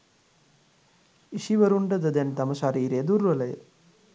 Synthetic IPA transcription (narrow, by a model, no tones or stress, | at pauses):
iʃiʋɐɾuɳʈɐd̪ɐd̪ent̪ɐmɐʃɐɾiːɾed̪uɾʋɐlɐjə̰